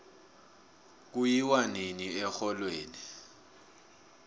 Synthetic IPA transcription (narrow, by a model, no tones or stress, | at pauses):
k̬ujiwaniniɛxɔlweːni